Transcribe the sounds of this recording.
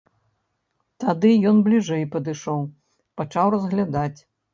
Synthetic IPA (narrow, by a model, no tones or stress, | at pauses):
t̪ad̪ɨjɔnblʲiʐɛjpɐd̪ɨʂɔw | pat͡ʂawrɐzɣlʲad̪at͡sʲ